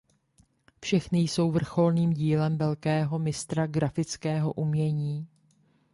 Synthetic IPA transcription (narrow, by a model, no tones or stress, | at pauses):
fʃɛxnɪjso̞wvr̩xo̞lniːmɟiːlɛmvɛlkɛːɦo̞mɪst̪ɾaɡɾafɪt͡skɛːɦo̞̰ʔumɲɛɲiː